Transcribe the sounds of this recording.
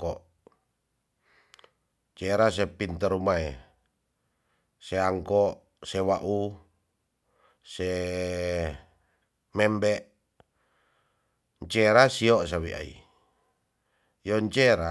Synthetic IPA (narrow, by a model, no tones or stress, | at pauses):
ɔʔ | ɲt͡ʃeɾas̬epint̪əɾumae | seaŋkɔʔ | sewaʔu | se | mɛmbɛʔ | ɲt͡ʃeɾasiosawia̰ḭ | joɲt͡ʃeɾa